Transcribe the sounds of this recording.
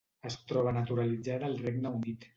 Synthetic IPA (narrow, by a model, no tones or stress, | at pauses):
əst̪ɾɔβ̞ənət̪uɾəlid͡zaðəːlˠreɡnəunit̪